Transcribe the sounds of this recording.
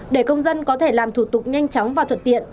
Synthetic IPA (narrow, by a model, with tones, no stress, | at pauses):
ɗe˧˩kə˧wŋ͡mzə˧nkɔ˨˦t̪ʰe˧˩laː˨˩mt̪ʰu˧˩t̪ʊ˨˩k͡p̚ɲa˧jŋ̟t͡ɕɔ˨˦wŋ͡mvaː˨˩t̪ʰə˨˩t̚t̪ḭ˧˨ən